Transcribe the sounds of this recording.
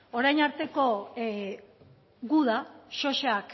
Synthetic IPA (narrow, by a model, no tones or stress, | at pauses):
o̞ɾajnaɾt̪e̞ko̞ | ɣuð̞aʃo̞ʃeak